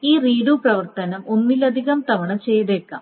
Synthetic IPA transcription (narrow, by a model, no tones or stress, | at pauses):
iːriːɽuprɐʋɐrt̪ɐnɐmo̞nːilɐd̪ʱiɣɐmt̪ɐʋɐɳɐt͡ɕe̞jðekːa̰ːm